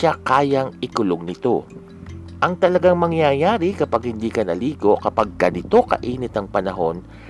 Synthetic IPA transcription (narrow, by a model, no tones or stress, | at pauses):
akaːjɐŋɪkʊloŋnɪt̪o̞ | ʔɐŋt̪ɐlɐɡaŋmɐŋjajaːɾikɐpaɡhɪnd̪iːkɐnɐliːɡo̞kɐpaɡ̚kɐnɪt̪o̞kɐ̰ʔiːnɪt̪̚ɐŋpɐnɐɦo̞n